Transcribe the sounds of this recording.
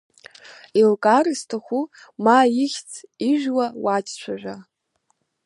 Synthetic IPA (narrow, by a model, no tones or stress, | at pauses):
ilkʼaristʰaχʷu | majiχʲt͡sʰiʒᶣwawat͡ʃʼt͡ɕʷʰaʒᶣʷa